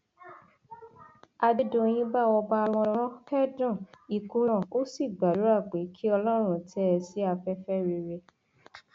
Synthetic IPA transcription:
a˧de˦dõ˦˧j̃ĩ˦ba˦˨wɔ˧ba˦˧ɾ̃ɔ̃˧ɾ̃ɔ̃˦kɛ˦dɔ̃˦˨i˨ku˧˦ɾ̃ɔ̃˦˨o˦si˦˨ɡ͡ba˨du˨˦a˦˨k͡pe˨˦kʰi˦ɔ˧lɔ˦ɾ̃ũ˧˨tɛ˦˨si˨˦a˧fɛ˦fɛ˦ɾi˧ɾe˧

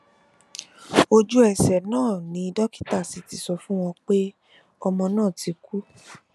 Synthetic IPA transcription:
o˧d͡ʒu˦ɛ˦˨sɛ˨nãː˦˨nĩ˨˦i˧dɔ˦ki̥˦ta˦˨si˨˧ti˧sɔ˧fũ˦w̃ɔ̃˧k͡pe˦ | ɔ˧mɔ̃˧nãː˦˨ti˧ku˦

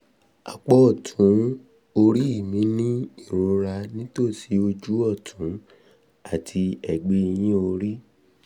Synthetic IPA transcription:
a̰˨k͡pɔ˦ɔ˨tʰũ˨˦ | o˧ɾi˦i˦˨mĩ˨˦nĩ˦i˦˨ɾ̃o˧ɾa˧nĩ˦to˦˨si˨˦o˧d͡ʒu˦ɔ˦˨tʰũ˨˦ | a˦˨tʰi˧ɛ˨ɡ͡be˦i˧j̃ĩ˦o˧ɾi˦

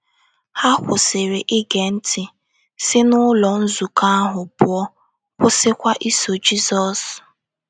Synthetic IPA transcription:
ha˦kʷʊ˨sɪ˨ɾɪ˨ʔɪ˦ɡe˨n̩˦tɪ˨ | sɪ˦nʊ˦lɔ˨n̩˦zu˨ka˦a˦ɦʊ˨pʊ˨ɔ˦ | kʷʊ˦sɪ˦kʷa˦ʔi˦so˨d͡ʒi˦zɔ˨s

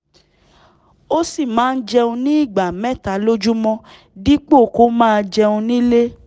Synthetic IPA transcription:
o˦si˦˨mãː˨˦n̩˦d͡ʒɛ˧ũ˧nĩ˦i˦˨ɡ͡ba˨mɛ̃˦˨ta˨˦lo˦d͡ʒu˦mɔ̃˧ | di˦k͡po˦˨ko˨˦mãː˦˧d͡ʒɛ˧ũ˧nĩ˦le˦

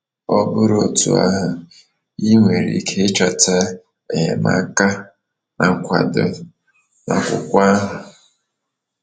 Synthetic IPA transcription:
ɔ˦bʊ˦ɾo˨tṵ˨a̰˦ɦʊ˨ | i˦ŋʷe˨ɾḭ˨kʰe˦t͡ʃa˨ta˦ | e˨ɲe˨ma̰˦ka˦ | na˨ŋ̩˨kʷa˨dʊ˦ | na˨kʷʊ̰˨kʷa˦ɦʊ˨

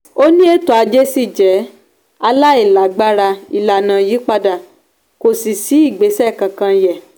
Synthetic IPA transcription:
o˦nĩ˦e˦to˨˦a˧d͡ʒe˦si˦˨d͡ʒɛ˨˦ | a˧la˦i˦˨la˨ɡ͡ba˦ɾa˧i˧˨la˨nã˨ji˨˦k͡pa˧da˨ | ko˨si˨si˨˦i˦˨ɡ͡be˨˦sɛ˦˨kã˨kã˧jɛ˨

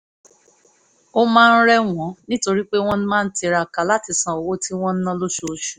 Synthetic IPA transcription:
o˦mãː˦˧n̩˦ɾɛ˦w̃ɔ̃˨˦nĩ˦to˧ɾi˦k͡pe˦w̃ɔ̃˦ñ̩˦mãː˦n̩˦ti˨˧ɾa˨ka˨la˦ti˨˧sã˨o˨wo˦ti˦w̃ɔ̃˦n̩˦nɔ̃˦lo˦ʃo˧˨ʃu̥˨

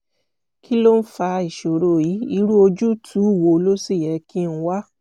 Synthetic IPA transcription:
kʰi˦lo˦n̩˦fa˧i˨ʃo˨ɾo˨ji˨˦i˧ɾu˦o˧d͡ʒu˦tʰu˨˦˨wo˧˦˧lo˦si˦˨jɛ˧ki˦n̩˦wa˦

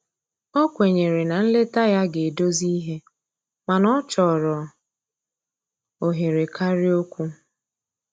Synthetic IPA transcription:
ɔ˦kʷe˨ɲe˨ɾe˨na˨n̩˦le˦ta˦ja˦ɡe˨do˦zi˦ɦe˦ | ma˨nɔ˦t͡ʃɔ˨ɾɔ˨ | o˨ɦe˨ɾe˨kʰa˦ɾɪ˦o˦kʷu˦

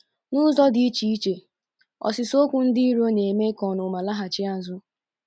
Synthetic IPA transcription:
nʊ˦zɔ˦dɪ˨i˦t͡ʃi˦i˦t͡ʃe˨ | ɔ̰˨sɪ˨so˦kʷʊ˦n̩˦dɪ˦i˦ɾo˦ne˨me˦kɔ˨nʊ˨ma˨la˦ɦa˨t͡ʃɪ˦a˦zʊ˦

